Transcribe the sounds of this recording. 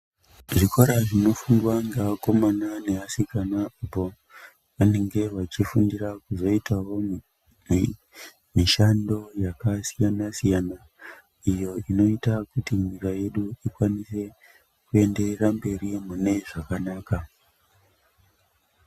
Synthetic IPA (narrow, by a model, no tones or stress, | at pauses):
ʐikoɾaʐino̞fuŋɡwaŋɡeako̞manane̞asikanaapo̞ | ʋane̞ŋɡe̞ʋat͡ʃifundirakuzo̞itawo | m | miʃando̞jakasijanasijana | ijo̞ino̞itakutimikaje̞ɗuikwanise̞ | kue̞nde̞rerambe̞rimune̞ʐakanaːka